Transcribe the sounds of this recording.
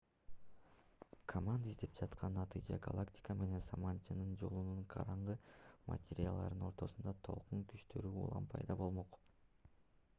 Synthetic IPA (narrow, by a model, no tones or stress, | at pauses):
kʰomand̪aizd̪e̞p̚d͡ʒɑt̪qʰɑnːɑt̪ɨd͡ʒɑɡalˠaktʲɪ̥kəme̞ne̞nzɑmɑnt͡ʃɯnɯnd͡ʒo̞lˠunuɴqʰɑ̰ɾɑɴʁɯma̰tʲeɾʲɪa̰lˠd̪ɑ̰ɾd̪ɯno̞ɾt̪o̞sund̪ɑt̪ʰo̞lˠquŋkyʃt̪ʰø̞ɾyṵːlˠɑ̰mpʰɑ̰jd̪ɑbo̞lˠmo̞q